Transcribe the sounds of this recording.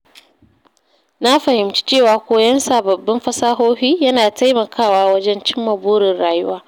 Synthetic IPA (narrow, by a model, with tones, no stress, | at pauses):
na˦ɸɐ˨hɪ˨mt͡ʃi̥˦t͡ʃeː˦˨waː˨kʷoː˦jɐ˦nsaː˨bɐ˨bːɪ˦mɸɐ˦saː˦ɦoː˦ɸiː˦jɐ˦naː˨ta˦jmɐ˨kʰaː˦˨waː˦wɐ˦d͡ʒɛ˦nt͡ʃɪ˦mːɐ˨buː˦ɽɪ˨nɽaː˨jʊ˦waː˦